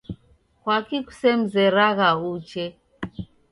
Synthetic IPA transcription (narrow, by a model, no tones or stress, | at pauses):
kwakiku̥sɛm̩zɛɾaɣaut͡ʃɛ